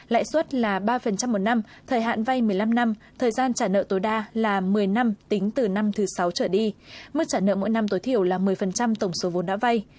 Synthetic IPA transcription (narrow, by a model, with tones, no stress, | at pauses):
la̰ː˧˨jswə˦˥t̚laː˨˩ɓaː˧fə˨˩nt͡ɕa˧mːo˨˩t̚na˧m | t̪ʰəː˨˩jɦa̰ː˧˨nva˧jmɨ˨˩əjla˧mna˧m | t̪ʰəː˨˩jzaː˧nt͡ɕaː˧˩nə̰ː˧˨t̪o˨˦jɗaː˧laː˨˩mɨ˨˩əjna˧mt̪ï˨˦ŋ̟t̪ɨ˨˩na˧mt̪ʰɨ˨˦sa˨˦wt͡ɕəː˧˩ɗi˧mɨ˦˥t͡ɕaː˧˩nə̰ː˧˨mo̰˧˥jna˧mt̪o˨˦jt̪ʰi˧˩əwlaː˨˩mɨ˨˩əjfə˨˩nt͡ɕa˧mt̪ə˧˩wŋ͡mso˨˦vo˨˦nɗa̰ː˧˥va˧j